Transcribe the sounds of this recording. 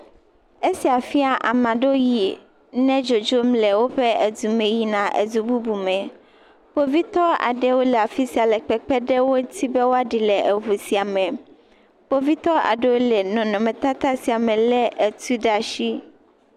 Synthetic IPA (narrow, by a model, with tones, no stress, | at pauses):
e˦si˨a˨fi˦a˨ʔa̰˨mã˨ɖo˦ji˨ | nɛ̃˦d͡ʒo˨d͡ʒo˦mlɛ˨wo˦ɸɛ˦e˨d̪u˨mẽ˨ji˦nã˨ʔḛ˨d̪u˨bu˦bu˨mɛ̃˨ | po˦vi˦t̪ɔ˦a̰˨ɖɛ˦wo˦lɛ˨a˨fi˦si˨a˨lɛ˨k͡pɛ˦k͡pɛ˦ɖɛ˦wo˦t̪i˦be˦wo˦a˦ɖi˨lɛ˨ʔe˨ɦu˨si˨a˨mɛ̃˨ | po˦vi˦t̪ɔ˦a̰˨ɖɛ˦wo˦lɛ˨nɔ̃˨nɔ̃˨mɛ̃˨t̪a˦t̪a˦si˨a˨mɛ̃˨lɛ˦ʔe˨t̪u˦ɖa˨ʃi˦